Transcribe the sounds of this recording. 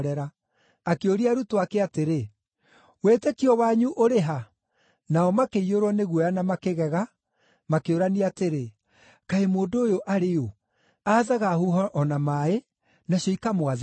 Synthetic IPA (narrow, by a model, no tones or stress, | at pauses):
ɾɛɾaː | keoɾiaɾutoakeateɾe | weːtekiɔwaɲuʔoɾeɦa | naɔmakeioɾwɔneɣwɔjanamakeɣɛɣa | makeoɾaniateɾe | kaemoːndoːjoʔaɾejo | aːðaɣahuɦɔʔɔnamae | naɕjɔikamwað